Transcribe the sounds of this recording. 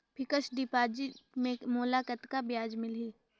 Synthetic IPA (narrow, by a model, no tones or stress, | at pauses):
pʰɪkəʃɖipaːd͡ʒimẽmoːlaːkət̪kabɪjaːd͡ʒmɪlɦiː